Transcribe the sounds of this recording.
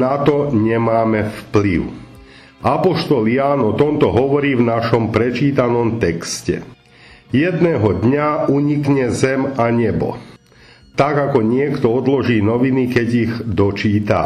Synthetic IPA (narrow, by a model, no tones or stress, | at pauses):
nat̪ɔɲɛmaːmɛfpliʊ | apɔʃt̪ɔljaːnɔt̪ɔnt̪ɔɦɔʋɔɾiːvnaʃɔmpɾɛt͡ʃiːt̪anɔmt̪ɛkscɛ̰ | jɛd̪nɛːɦɔd̪ɲauɲikɲɛzɛmaɲɛbɔ̰ | t̪aɡakɔɲɪɛkt̪ɔɔd̪lɔʒiːnɔʋinikɛɟiɣd̪ɔt͡ʃiːt̪a̰